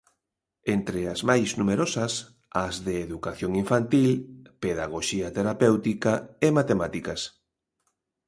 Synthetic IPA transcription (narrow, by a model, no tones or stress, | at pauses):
ent̪ɾeazmajznumeɾosɐs | azðeːðukaθjoŋiɱfant̪ilpeðaɣ̞oʃiat̪eɾapewt̪ikaemat̪emat̪ikɐs